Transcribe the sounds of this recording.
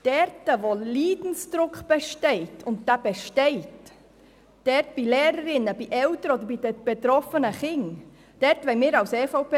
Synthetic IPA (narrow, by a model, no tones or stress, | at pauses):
d̥ɛɾtəʋoliːdn̩sd̪ɾʊkχb̥ɛʃtɛɪtʰʊntd̥æb̥ɛʃtɛɪt | d̥ɛɾtb̥ilɛːɾəɾɪnːəbiʔɛltəɾɔd̪əɾbid̥əb̥ɛt̪ɾɔfənəχɪŋ | d̥ɛɾtʋɛɪmɪːɾɑwsɛfoʊpe